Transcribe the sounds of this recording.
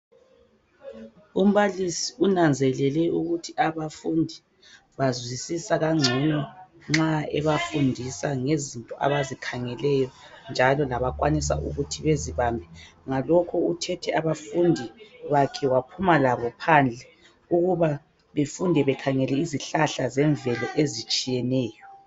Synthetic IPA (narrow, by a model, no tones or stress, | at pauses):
um̩βalisiunand͡zʱɛlɛlɛuɣutʰiʔaβafundʱi | βazwisisaɣaŋ͡ǀʱɛnɔ | ŋ͡ǁaɛβafundʱisaŋezintʼɔʔa̰βazikʰaŋɛlɛjɔ | nd͡ʒʱalɔlaβakʼwanisa̰ʔṵɣutʰiβeziβaːmbʱɛŋalɔkʰɔutʰɛtʰɛʔaβafundʱiβakʰɛwapʰumalaβɔpʰand͡ɮʱɛ | uɣuβa | βefundʱɛβɛkʰaŋɛlɛiziɬaɬazɛɱvɛlɔʔezit͡ʃʼijɛnɛːjɔ